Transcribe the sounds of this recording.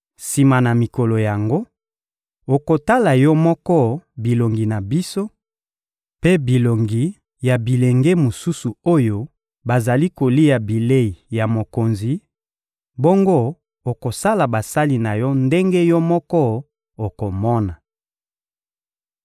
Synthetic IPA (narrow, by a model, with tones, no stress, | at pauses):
si˨ma˨na˨mi˨ko˨lo˨ja˨ŋɡo˦ | o˨ko˨ta˦la˨jɔ˦mɔ˦kɔ˦bi˨lo˨ŋɡi˨na˨bi˦so˦ | pe˦bi˨lo˨ŋɡi˨ | ja˨bi˨le˨ŋɡe˦mo˨su˦su˨o˦jo˦ | ba˨za˨li˦ko˨li˦ja˨bi˨le˦i˨ja˨mo˨ko˨nzi˨ | bo˦ŋɡo˦ | o˨ko˨sa˦la˨ba˨sa˦li˦na˨jɔ˦nde˦ŋɡe˦jɔ˦mɔ˦kɔ˦ | o˨ko˨mɔ˦na˨